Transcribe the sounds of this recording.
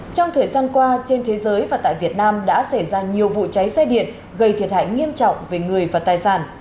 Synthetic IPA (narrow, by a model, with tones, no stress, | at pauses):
t͡ɕɔ˧wŋ͡mt̪ʰəː˨˩jzaː˧nkwaː˧t͡ɕe˧nt̪ʰe˨˦zəː˨˦jvaː˨˩t̪a̰ː˧˨jvi˨˩ət̚naː˧mɗa̰ː˧˥sa˧˩jzaː˧ɲi˨˩əwvṵ˧˨t͡ɕa˨˦jsɛ˧jɗḭ˧˨ən | ɣə˧˩jt̪ʰi˨˩ət̚ha̰ː˧˨jŋi˧əmt͡ɕɔ̰˧˨wŋ͡mve˨˩ŋɨ˨˩əjvaː˨˩t̪aː˨˩jsaː˧˩n